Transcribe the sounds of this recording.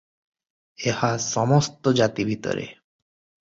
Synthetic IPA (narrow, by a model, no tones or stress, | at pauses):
ehaʃɔmost̪od͡ʑat̪ibʱit̪o̰ɾḛ